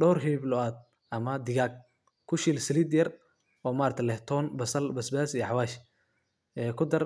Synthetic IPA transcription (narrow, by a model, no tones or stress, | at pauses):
ɖɔːrɦɛblɔaːd̪̚ | ʔɐmɐd̪ɪɣaːɡ̚ | kʰʊʃiːlsɪliːd̪jɐr | ʔɔːmaːɾt̪ʰɛlɛht̪ʰɔːnbɐsɐlbɐsbaːsijɔħɑwaːʃ | ɛːkʰʊd̪ɐr